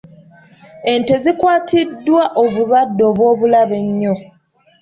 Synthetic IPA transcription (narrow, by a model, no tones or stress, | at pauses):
e̞nte̞zikwaːtidːwaʔoβuβadːo̞ːβwo̞ːβulaβe̞ɲːo